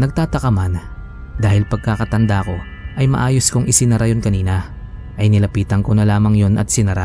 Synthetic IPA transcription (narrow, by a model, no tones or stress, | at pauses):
nɐɡ̚t̪aːt̪ɐkɐman | d̪aːhɪlpɐɡ̚kakɐt̪ɐnd̪ako̞ | ʔɐjmɐ̰ʔaːjoskʊŋʔɪsɪnɐɾajonkɐniːnɐ | ʔɐjnɪlɐpiːt̪ɐŋko̞nɐlaːmɐŋjo̞nʔɐ̰t̪̚sɪnɐɾa